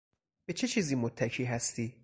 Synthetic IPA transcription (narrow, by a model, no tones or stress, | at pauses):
b̥e̞t͡ʃʰe̞t͡ʃʰiːziːmot̪ʰːækʰiːɦæst̪iː